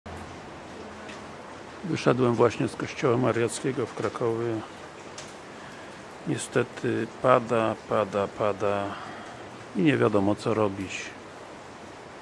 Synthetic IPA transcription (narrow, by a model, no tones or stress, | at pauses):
vɘʂɛd̪wɛmvwaɕɲɛskɔɕt͡ɕɔwamaɾjat̪skʲɛɡɔfkɾakʰɔvʲjɛ | ɲɛst̪ɛt̪ʰɘpad̪apad̪apad̪a | iɲɛvʲjad̪ɔmɔt̪sɔɾɔbʲit͡ɕ